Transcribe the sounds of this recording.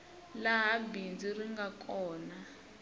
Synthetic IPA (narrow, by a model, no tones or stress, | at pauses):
laɦabind͡ziriŋɡakʰʼɔːna